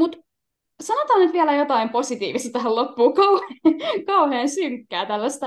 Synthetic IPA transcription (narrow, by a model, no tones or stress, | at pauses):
mut̪ | sɑnot̪ɑnyt̪ʋiælæjot̪ɑimposit̪ḭːʋist̪ɑt̪æhællopːuːkɑuhekɑuheːnsyŋkːæːt̪ælːæst̪æ